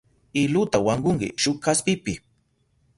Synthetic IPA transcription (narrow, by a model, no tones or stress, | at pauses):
ɪlʊt̪awaŋɢʊŋkɪ̰ʃʊkkaspɪpɪ